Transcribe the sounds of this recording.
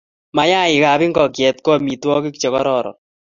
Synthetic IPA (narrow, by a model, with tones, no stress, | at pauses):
ma˨ja˦ɪ˨ka˨βi˦ŋɡɔ˨kjɛ˨t̚kɔ˦mi˨twɔ˦kɪ˦kt͡ʃɔ˨kɔ˦ɾɔ˦˨ɾɔ̰˨